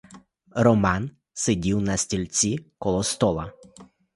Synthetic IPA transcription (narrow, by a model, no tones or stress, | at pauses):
ɾɔmɑn | sedʲiwnɐsʲtʲilʲt͡sʲikɔlˠɔst̪ɔlˠɐ